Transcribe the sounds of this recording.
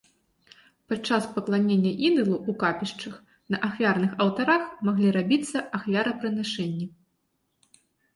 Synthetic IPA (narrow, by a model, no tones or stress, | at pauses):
pat͡ʂːaspɐklˠanʲenʲːɐʔid̪ɨlˠuukapʲiʂt͡ʂɐx | nɐʔaxvʲarnɨxɐwt̪aɾaxmaɣlʲiɾabʲit̪sːɐʔaxvʲaɾɐpɾɨnaʂɛnʲːɐ